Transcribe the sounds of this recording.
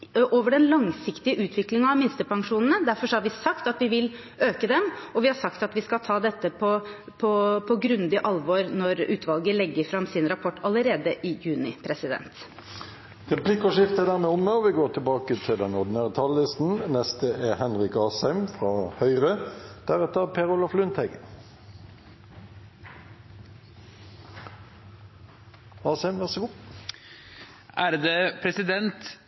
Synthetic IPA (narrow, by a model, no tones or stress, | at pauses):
ʔoːʋəɖɛnlɑŋsɪkt̪ɪəʔʉːt̪ʰʋɪklɪŋɑɑmɪnst̪əpɑŋʂuːnn̩əd̪æɾfɔʂɔhɑɾʋɪsɑkt̪ɑt̪ʋɪʋɪl | øːkəd̪ɛmɔʋɪhɑɾʂɑkt̪ɑt̪ʋɪskɑlt̪ʰɑːd̪ɛt̪ːəpʰɔ | pʰɔpʰɔɡɾʉnd̪ɪʔɑlʋoːɾnɔɾʉːt̪ʰʋɑlɡəlɛɡːəɾfɾɑmsɪnɾɑpʰɔʈːɑləɾeːd̪əʔɪjʉːnɪpʰɾɛsɪd̪ɛ̰nt̪ | ʁɛplɪkɔʂɪft̪əd̪æːʁmeːʊmːeɔʋɪɡoːʁʈ̪ʰəbɑːkət̪ʰɪld̪ɛnɔd̪ɪnæːʁət̪ʰɑllɪst̪n̩nɛst̪əʔeːhɛnʁɪkɑːsæɪmfʁɑːhœʏʁəd̪̥æʁɛt̪əʁpʰeːʁʊlɑflʉnt̪hɛɡə | ɑːsæɪmʋæʁsəɡuː | ʔæɾd̪eːpʰɾɛsɪd̪ɛnt̪